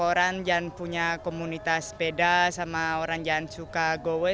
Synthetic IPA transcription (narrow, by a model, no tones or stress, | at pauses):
oɾand͡ʒanpuɲakomunit̪aspedasamaoɾaŋd͡ʒansukaɡowɛ